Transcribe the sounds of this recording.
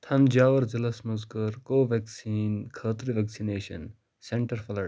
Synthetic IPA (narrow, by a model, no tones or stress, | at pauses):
t̪ʰɐnd͡ʒaːʋɐɾd͡ʒɐlɐsmɐzkɐɾkoːʋeksiːnkʰəːt̪ɾiʋeːksineːʃɐ̰n | seɳʈɐɾfɐlɐ